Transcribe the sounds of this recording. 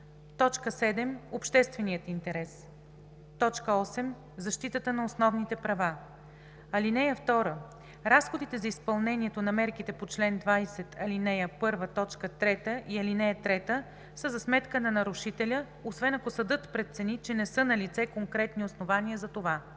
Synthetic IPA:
t̪ɔt͡ʃkəsɛd̪ɛmopʃt̪ɛst̪vɛnijət̪int̪ɛɾɛs | t̪ɔt͡ʃkəɔsɛm | zɐʃt̪it̪ət̪ənɐosnɔvnit̪ɛpɾɐva | ɐlinɛjəft̪ɔɾə | ɾasxod̪it̪ɛzɐispɐlˠnɛniɛt̪onɐmɛɾkit̪ɛpot͡ʃlɛnd̪vajsɛt̪ʰɐlinɛjəpɤɾvət̪ɔt͡ʃkət̪ɾɛt̪əʔiɐlinɛjət̪ɾɛt̪ə | səzɐsmɛt̪kənɐnɐɾuʃit̪ɛlʲə | osvɛnɐkosɐd̪ɤt̪pɾɛt̪t̪sɛnit͡ʃɛnɛsɤnɐlit̪sɛkoŋkɾɛt̪niosnovaniəzɐt̪ova

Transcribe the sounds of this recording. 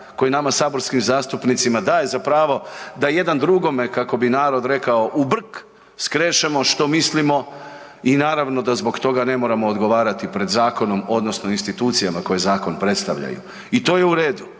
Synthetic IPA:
ko̞jinamasaːbo̞ɾskimzaːst̪upnit̪simad̪aːje̞zapɾaːʋo̞d̪aje̞d̪and̪ɾuɡo̞mekako̞binaːɾo̞d̪ɾe̞kao̞ʔubr̩k | skɾeːʃemo̞ʃt̪o̞mislimo̞ | inaːɾaʋno̞d̪azbo̞ɡt̪o̞ɡane̞mo̞ːɾamoːd̪ɡo̞ʋaːɾat̪ipɾe̞d̪zaːko̞no̞mo̞d̪no̞snoinst̪it̪uːt̪sijamako̞je̞zaːko̞npɾe̞t̪st̪a̰ʋʎa̰jṵ | it̪o̞ːje̞uɾe̞ːd̪u

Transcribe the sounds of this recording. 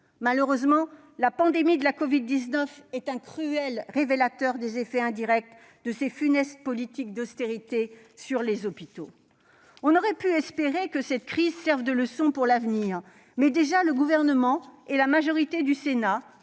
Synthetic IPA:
maləʁøzmɑ̃ | lapɑ̃d̪emid̪əlakɔvid̪ːiznœfɛt̪ɛ̃kχyɛlʁevelat̪œʁd̪ezefɛɛ̃d̪iʁɛk̚t̪ | d̪əsefynɛst̪̚pɔlit̪ik̚d̪ɔst̪eʁit̪e | syʁlezɔpit̪o̰ | ɔ̃nɔʁɛpyɛspeʁekəsɛt̪kχizsɛʁvd̪ələsɔ̃puʁlavniʁ | mɛd̪eʒaləɡuvɛʁnəmɑ̃ɛlamaʒɔʁit̪ed̪ysena

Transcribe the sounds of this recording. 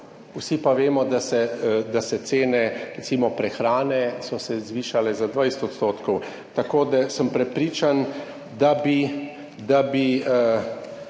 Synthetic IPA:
wsipaʋeːmɔd̪asɛd̪asɛt̪seːnɛɾɛt̪siːmɔpɾɛxɾaːnɛsɔsɛzʋiːʃalɛzad̪ʋajsɛ̥t̪ɔt̪st̪oːt̪kɔw | t̪akoːd̪asəmpɾɛpɾiːt͡ʃan | d̪abi | d̪abi

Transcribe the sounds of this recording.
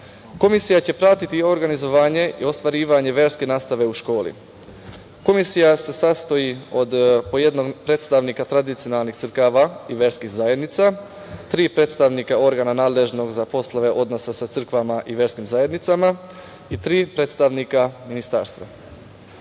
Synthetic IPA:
ko̞misijat͡ɕe̞pɾat̪it̪io̞ɾɡanizo̞ʋaːɲe̞ʔḭo̞st̪ʋaɾiːʋaɲe̞ʋe̞ːɾske̞naːst̪aʋe̞uʃko̞ːlḭ | ko̞misijase̞sast̪o̞io̞d̪po̞je̞d̪no̞ɡpɾe̞ːt̪st̪aʋnikat̪ɾad̪it̪sijonalˠnixtsɨrɾkaʋaiʋe̞ːɾskixzaje̞d̪nit̪sa | t̪ɾiːpɾe̞ːt̪st̪aʋnikao̞ɾɡaːnanaːd̪le̞ʒno̞ɡzapo̞slaʋe̞ʔo̞d̪no̞sasat̪sɨr̩kʋamaʔiʋe̞ːɾskimzaje̞d̪nit̪sama | it̪ɾiːpɾe̞ːt̪st̪aʋnikaminist̪a̰ːɾst̪ʋa̰

